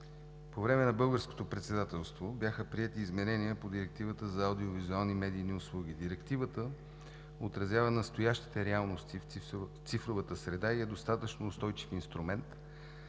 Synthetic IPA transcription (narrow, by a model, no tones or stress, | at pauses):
povɾɛmɛnɐbɤlˠɡəɾsko̥t̪opɾɛt̪sɛd̪at̪ɛlˠst̪vobʲjaxəpɾiɛt̪iːzmɛnɛniəpod̪iɾɛk̚t̪ivət̪əzɐːd̪iovizualˠnimɛd̪iːniʊslˠuɡ̟id̪iɾɛkt̪ivət̪ə | ot̪ɾɐzʲjavənɐst̪ojaʃt̪i̥t̪ɛɾɛalˠnost̪ifft̪sifɾovət̪əsɾɛd̪aiɛd̪ost̪at̪ət͡ʃnoːst̪ɔjt͡ʃi̥finst̪ɾumɛnt̪